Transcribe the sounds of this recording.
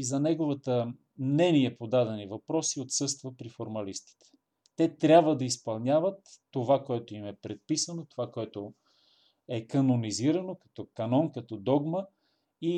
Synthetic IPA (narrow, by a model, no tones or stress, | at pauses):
izɐnɛɡovət̪ə | mnɛniɛpod̪ad̪ɛnivɐpɾɔsiot̪sɤst̪vəpɾifoɾmɐlist̪i̥t̪ɛ̥ | t̪ɛt̪ɾʲabvəd̪ɐispɐlˠnʲjavət̪ːovakoɛt̪oimɛpɾɛt̪̚pisənot̪ovakoɛt̪o | ɛkɐnoniziɾɐnokɐ̥t̪ɔkɐnɔnkɐt̪ɔd̪ɔɡmə | i